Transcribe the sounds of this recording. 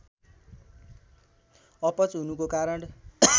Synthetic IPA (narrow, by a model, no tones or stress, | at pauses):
ʌpʌt͡sɦunukokaɾʌɳ